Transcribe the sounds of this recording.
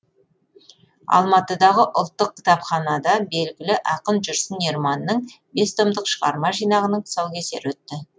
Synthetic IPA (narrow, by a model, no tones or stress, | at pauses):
ɑ̰lˠmɑt̪əd̪ɑʁəʔʊlˠt̪ːəq̚kʲʰɪ̥t̪ɑpχɑnɑd̪ɑbe̞lɡʲɪlɪʔɑqənʒʏɾsənːeɾmɑnːəɴ | be̞st̪omd̪əqʃəʁɑ̰ɾmɑʒijnɑʁənəɴ̥ʰsɑw̪ˠkʲʰe̞se̞̰ɾwɵt̪ːɪ